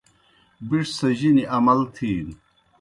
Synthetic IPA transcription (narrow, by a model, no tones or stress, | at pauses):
biʂsɐʑiniʔɐmɐlt̪ʰiːn